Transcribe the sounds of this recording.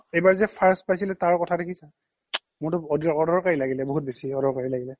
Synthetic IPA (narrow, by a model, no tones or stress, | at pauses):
ejbaɹzɛpʰaɹspajsilɛtaɹkɔtʰadekʰisa | mʊɹtʊɔdɔdɔɹkaɹilaɡilɛboɦut̚besiɔdɔɹkaɹilaɡilɛ